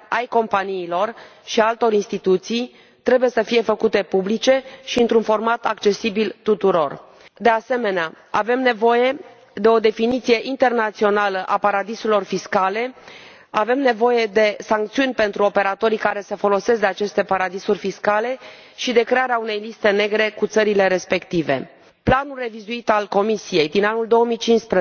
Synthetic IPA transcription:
ajko̞mpaniːlo̞rʃialt̪o̞ɾinst̪it̪ut̪sij | t̪ɾe̞buje̞səfije̞fəkut̪e̞publit͡ʃe̞ʃiɨnt̪ɾunfo̞rmat̪akt͡ʃe̞sibilt̪ut̪uɾo̞r | d̪e̞ase̞me̞nea | ave̞mne̞vo̞je̞ | d̪e̞o̞d̪e̞finit̪sije̞ʔint̪e̞rnat̪sio̞naləʔapaɾad̪iselo̞rfiskale̞ | ave̞mne̞vo̞je̞d̪e̞saŋk̚t̪siunʲpe̞nt̪ɾuo̞pe̞ɾat̪o̞ɾikaɾe̞səfo̞lo̞se̞sd̪eat͡ʃe̞st̪e̞paɾad̪isurʲfiskale̞ʃid̪e̞kɾe̞aɾeaune̞jlist̪e̞ne̞ɡɾe̞kut̪səɾile̞ɾe̞spe̞kt̪ive̞̰ | planulre̞vizuit̪alko̞misije̞jd̪inanuld̪o̞omijt͡ʃinspɾə

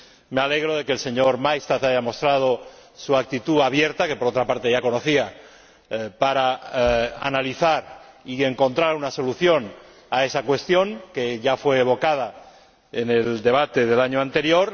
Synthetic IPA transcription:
mealeɣ̞ɾoðe̞kelse̞ɲoɾmajst̪aθaʝamo̞st̪ɾað̞o̞suak̚t̪it̪uaβjeɾt̪ake̞po̞ɾot̪ɾapaɾt̪eʝako̞noθia | paɾa | a̰naliθaɾie̞ŋko̞nt̪ɾaɾunaso̞luθjo̞n | ae̞sakwe̞st̪jo̞ŋkeʝafwe̞ːβo̞kað̞a | eneld̪e̞β̞at̪e̞ð̞e̞laɲoant̪e̞ɾjo̞ɾ

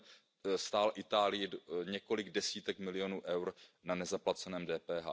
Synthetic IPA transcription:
st̪aːlʔɪt̪aːlɪjɪɲɛko̞lɪɡdɛsiːt̪ɛkmɪlɪjo̞nuːʔɛwɾnanɛzaplat͡sɛnɛːmdɛːpɛːɦa̰ː

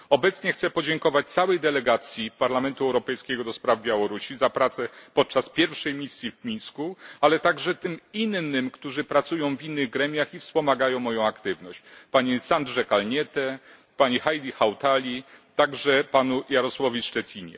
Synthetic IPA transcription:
ɔbɛt̪sɲɛxt̪sɛpɔd͡ʑɛŋkɔvat͡ɕt̪sawɛjd̪ɛlɛɡat̪sʲjipaɾlamɛnt̪uɛwɾɔpɛjskʲɛɡɔd̪ɔspɾavbʲjawɔɾuɕizapɾat̪sɛpɔt̪̚t͡ʂaspʲjɛɾfʂɛjmʲisʲjivmʲinskualɛt̪aɡʐɛt̪ɘminːɘmkt̪uʐɘpɾat̪sujɔ̃w̃vinːɘɣɡɾɛmʲjaxifspɔmaɡajɔ̃w̃mɔjɔ̃w̃akt̪ɘvnɔɕt͡ɕpaɲisand̪ʐɛkalɲɛt̪ɛ | paɲixajlʲixawt̪alʲit̪aɡʐɛpanujaɾɔswavʲiʂt͡ʂɛt͡ɕʲiɲɛ̰

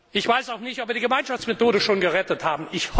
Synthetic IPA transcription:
ʔɪçv̥aɪsaʊxnɪçtɔpviɐdiɡəmaɪnʃaft͡smetoːɾəʃoːnɡəʁɛtəthaːbm̩ɪçh

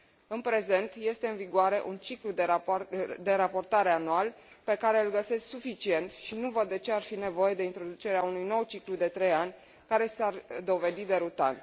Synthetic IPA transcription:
ɨnpɾe̞ze̞nt̪je̞st̪e̞ɨnviɡoaɾe̞ʔunt͡ʃiklud̪ | d̪e̞ɾapo̞rt̪aɾe̞anual | pe̞kaɾe̞ɨlɡəse̞sksufit͡ʃie̞nt̪ʃinuvəd̪ːe̞t͡ʃe̞arfine̞vo̞je̞d̪e̞int̪ɾo̞d̪ut͡ʃe̞ɾeaunujno̞wt͡ʃiklud̪e̞t̪ɾe̞janʲ | kaɾe̞sard̪o̞ve̞d̪id̪e̞ɾut̪a̰n

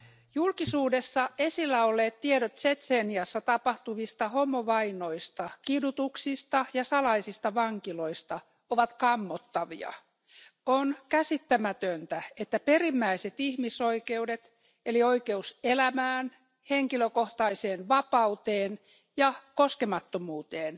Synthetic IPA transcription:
julkisuːdesːɑesilːæolːeːt̪t̪ieɾot̪set̪seːniɑsːɑt̪ɑpɑht̪uʋist̪ɑhomːoʋɑinoist̪ɑkidut̪uksist̪ɑjɑsɑlɑisist̪ɑʋɑŋkiloist̪ɑ | oʋɑt̪kɑmːot̪ːɑʋḭɑ̰ | onkæsit̪ːæmæt̪ønt̪æet̪ːæperimːæiset̪ihmisoikeudet̪ | elioikeuselæmæːn | heŋkiløkoht̪ɑiseːnʋɑpɑut̪eːn | jɑkoskemɑt̪ːomuːt̪eːn

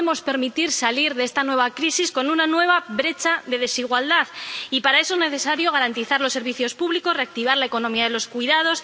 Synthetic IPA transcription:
emo̞spe̞ɾmit̪iɾsaliɾðee̞st̪anwe̞β̞akɾisisko̞nunanwe̞β̞aβɾe̞t͡ʃaðe̞ðe̞siɣwald̪aðipaɾae̞soezne̞θe̞saɾjo̞ɣaɾant̪iθaɾlosːe̞ɾβ̞iθjo̞spuβliko̞sre̞ak̚t̪iβ̞aɾlaekonõ̞miaðe̞lo̞skwiðað̞o̞s

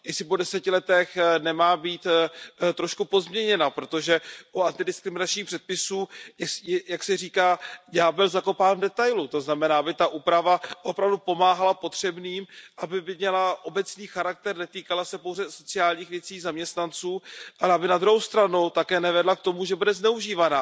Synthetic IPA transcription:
jɛsɪpo̞dɛsɛcɪlɛt̪ɛxnɛmaːbiːt̪t̪ɾo̞ʃkupo̞zmɲɛɲɛnapɾot̪o̞ʒɛʔuant̪ɪdɪskɾɪmɪnat͡ʃɲiːxpr̥ɛt̪̚pɪsuːjjaksɛriːkaːjaːbɪlzako̞paːnvdɛt̪ajlut̪o̞znamɛnaːabɪt̪aʔuːpɾavaʔo̞pɾavdupo̞maːɦalapo̞t̪r̝̥ɛbniːmʔabɪbɪmɲɛlaʔo̞bɛt͡sniːxaɾak̚t̪ɛɾnɛt̪iːkalasɛpo̞wzɛso̞t͡sɪaːlɲiːxvjɛt͡siːzamɲɛst̪nant͡suːʔalɛabɪnad̪ɾuɦowst̪ɾanot̪akɛːnɛvɛdlak̚t̪o̞muʒɛbudɛznɛuʒiːvana

